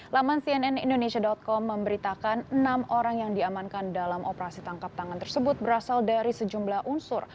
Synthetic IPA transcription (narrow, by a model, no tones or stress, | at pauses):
lamansiɛnɛnḭndonesiadɔt̪̚kɔmːəmbəɾit̪akanənamoɾaŋjaŋdiamankandalamʔopəɾasit̪aŋkap̚t̪aŋant̪ərsəbʊt̪̚bəɾasaldaɾisəd͡ʒumblahʔunsʊr